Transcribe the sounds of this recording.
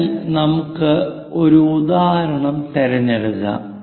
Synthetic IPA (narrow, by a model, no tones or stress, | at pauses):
lnɐmukːɨ | o̞ɾuud̪aːɾɐɳɐmt̪eɾɐnːeɽiɣɐ̰